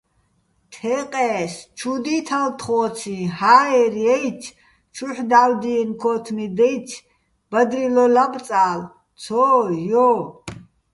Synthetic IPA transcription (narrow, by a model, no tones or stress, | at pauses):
t̪ʰɛqʼɛːst͡ʃʰud̪it̪ʰalt̪ʰχɔːt͡sʰĩhaːɛɾɛjt͡ʃʰ | t͡ʃʰuħd̪awd̪iɛnkʰɔːt̪ʰmid̪ɛjt͡ʃʰ | b̥ad̪ɾilɔlab̪t͡sʼaːl | t͡sʰɔːjɔ